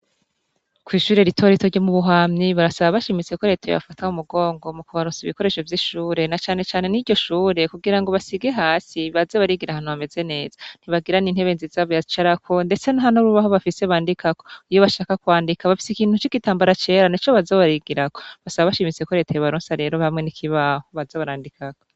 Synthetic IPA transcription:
kwiːʃuːɾeɾitʰo̞ɾitoɾɟomuβuɦaːmɲiβaɾasaβaβaʃimit͡se̞ko̞ɾe̞ːtʰajo̰βa̰fataumuɡo̞ːŋɡo̞mukuβaɾoːnsiβiko̞ɾe̞ʃo̞vjiʃuːɾe̞nat͡ʃaːne̞t͡ʃaːne̞niɟɟo̞ʃuːɾe̞kuɡiɾaŋɡo̞βasiɡe̞ɦaːsiβazeβaɾiɡiɾahaːn̥uβame̞ze̞ne̞ːz̥ḁn̥iβaɡiɾaniːnhe̞βe̞ːnzizaːβojazit͡ʃaɾakʰo̞nde̞t͡senaɦanoɾuβaɦoβafise̞βaːndikakoijo̞βaʃaːkakwaːndikaβafi̥sikiːn̥hut͡ʃikitaːmbaɾat͡ʃe̞ːɾanit͡ʃo̞βazaβaɾiɡiɾako̞̥βasaβaβaʃimit͡se̞ko̞ɾe̞ːtajoβaɾoːnsaɾe̞ːɾo̞βamŋenikʰiβahoβazaβaɾaːndikako

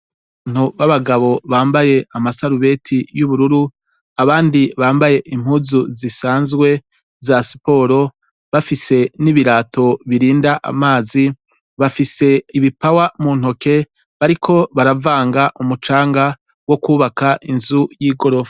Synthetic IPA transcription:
n̥uβaβaɡaβo̞βaːmbaje̞amasaɾuβe̞tʰijuβuɾuɾu | aβaːndiβaːmbaje̞ʔim̥huzuzisaːnzɡwe̞ | zasi̥po̞ːɾo̞ | βafise̞niβiɾaːtʰo̞βiɾiːndaʔa̰maːzi | βafise̞iβipawamuːn̥ho̞ke̞ | βaɾikʰo̞βaɾavaːŋɡaʔumut͡ʃaːŋɡa | wo̞kuːβakaʔinzujiːɡoɾofḁ

